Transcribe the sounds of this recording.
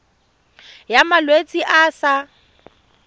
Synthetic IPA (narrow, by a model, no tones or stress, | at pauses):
jamalwet͡sʼiʔasa